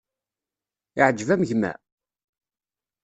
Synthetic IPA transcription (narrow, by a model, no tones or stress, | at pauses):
iʕəd͡ʒːvæməʝmæ̰